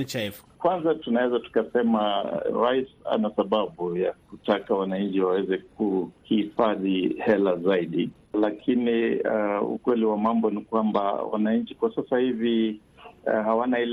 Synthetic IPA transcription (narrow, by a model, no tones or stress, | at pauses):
t͡ʃaf | kwanzatunawɛzatu̥kasɛmaɾaisa̰nasaɓaɓujak̚utakawanaɲ̩t͡ʃiwawɛzɛk̚uhiifaðihɛlazaiɗi | lakʰini | ṵkwɛliwamambɔnikwamba̰wa̰naɲ̩t͡ʃi̥kwasasahivi | hawanail